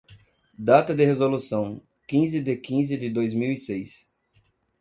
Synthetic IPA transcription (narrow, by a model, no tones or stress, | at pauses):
d̪at̪ɐd̪ɪɦezolusɐ̃w̃ | kĩzɪd̪ɪkĩzɪd̪ɪd̪ojzmiwisejs